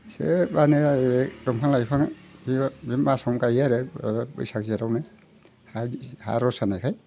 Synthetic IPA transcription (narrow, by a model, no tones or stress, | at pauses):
sḛbanɛtɔmkʰanlaipʰaŋiimasɔmkajaɾɛbɯ̰jsakzaɾawna | haha̰ɾɔsanajkʰaj